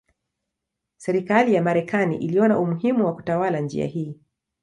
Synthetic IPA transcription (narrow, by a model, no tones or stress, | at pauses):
sɛɾikalijamaɾɛkanḭʔiliɔnaumuɦimuwaku̥tawaland͡ʒḭa̰hiː